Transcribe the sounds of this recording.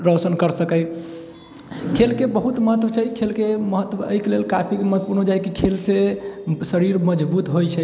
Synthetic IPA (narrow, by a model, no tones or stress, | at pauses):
ɾɔsənkəɾsəkəj | kʰelkebəɦut̪məɦət̪ət͡ʃʰɛikʰelkeməɦət̪ːwəə̰ikelelkapʰikeməɦt̪puɾnod͡ʒajkikʰelsesəɾiɾməd͡ʒbut̪ɦojt͡ʃʰɛ